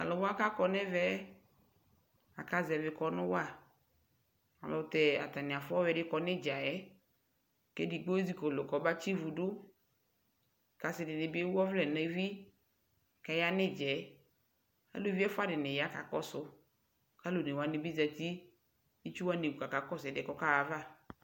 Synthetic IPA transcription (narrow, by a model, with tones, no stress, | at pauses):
ka̰˨lʊ˨wa˦ka˦kɔ˦nɛ˦vɛ˦ | a˨ka˦zɛ˨vɪ˨kɔ˨nʊ̃˦wa˦˨ | a̰˨lɔ˨t̪ɛ˨a̰˨t̪a˨nɪ̃˨a˨fʊ˦ɔ˦wɛ˨˦ɖɪ˦kɔ˨nɪ˦d͡ʒa˨jɛ˦ | ke˦dɪ˨ɡ͡bo˦zi˦ko˨lʊ˨kɔ˨ba˦t͡ʃi˦vu˨dʊ˦ | ka˨sɪ˨dɪ˨nɪ˨bɪ˦ɔ˦vlɛ˨ne˨˦vi˦ | ka˨ja˦nɪ˦d͡ʒɛ˨ | a̰˦lo˨˦vi˦ɛ˦fʊ˦a˦dɪ˨nɪ˨ja˦ka̰˨kɔ˦sʊ˦ | ka˦lo˨nɪ˨wa˨nɪ˨bi˦zɛ˨t̪i˦ | i˦t͡ʃu˦wa˦ni˨wu˨ka˨ka˨kɔ˦sɛ˨dɪ˨kɔ˦ka˦wa˨va˦˨